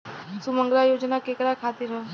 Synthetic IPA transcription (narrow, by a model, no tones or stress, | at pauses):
suməŋɡɾajoːd͡ʒnakekɾakʰaːt̪iɾɦɛ